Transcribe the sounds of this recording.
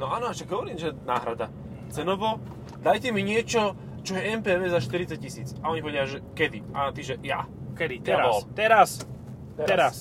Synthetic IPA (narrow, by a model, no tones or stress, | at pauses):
nɔaːnɔaʃaɡɦɔʋɔɾiːmʒɛnaːɦɾad̪a | t͡sɛnɔʋɔ | d̪ajcɛmiɲɪɛt͡ʃɔ | t͡ʃɔjɛɛmpɛːʋɛːzaʃt̪iɾitt͡sac̚cisiːt͡saɔɲipɔʋɛjaʒɛkɛd̪iʔa̰nt̪iʒɛja̰kɛd̪it̪ɛɾabɔlt̪ɛɾas | ɛɾas